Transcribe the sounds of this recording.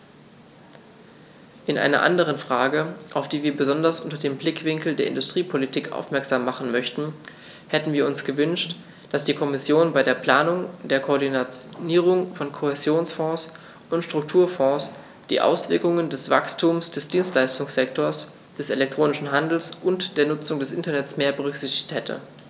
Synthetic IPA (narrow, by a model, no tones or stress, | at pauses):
ʔɪnʔa̰ɪnɐ̰ʔa̰ndəʁ̞ənfʁ̥aːɡəʔaʊfd̥iːviːɐbəzɔndɐsʔʊntɐdeːmblɪkv̥ɪŋkl̩deːɐʔɪ̰ndʊstʁ̥iːpʰolitʰiːkʔa̰ʊfmɛɐkz̥aːmːaχn̩mœçtn̩ | hɛtn̩viːɐʊnsɡ̥əvʏnʃt | d̥asd̥iːkʰɔmɪsjoːnbaɪdeːɐpl̥aːnʊŋd̥eːɐkʰoːɐdinat͡sniːʁ̞ʊŋfɔnkʰohezjoːnsfɔ̃ːs | ʔʊntʃtʁ̥ʊk̚tʰuːɐfɔ̃ːs | d̥ḭːʔa̰ʊsv̥ɪɐkʊŋəndɛsv̥a̰kstʰuːmsd̥ɛsd̥iːnstlaɪstʊŋsz̥ɛktoːɐs | d̥ɛsḛlɛk̚tʁ̥oːnɪʃn̩ɦandl̩sʔʊntd̥eːɐnʊt͡sʊŋdɛsʔɪ̰ntɐnɛtt͡smeːɐbəʁ̞ʏkz̥ɪçtɪ̥çthɛtʰə̰